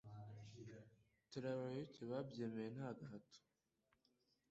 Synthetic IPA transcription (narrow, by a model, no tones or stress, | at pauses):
tuɾaβajoceβabjemejenhaːɡaɦato̥